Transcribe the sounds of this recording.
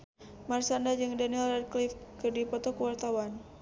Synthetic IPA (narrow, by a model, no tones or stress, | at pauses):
marsandad͡ʒɨŋdanilrad̪̚klifkɨrdipɔt̪ɔkəwart̪awan